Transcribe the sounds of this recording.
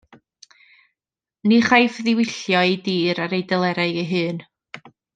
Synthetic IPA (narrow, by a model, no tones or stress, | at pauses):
niχajfðɪwɪɬjɔidiːɾaɾejdɛlˠɛɾaɨɡəɦɨːn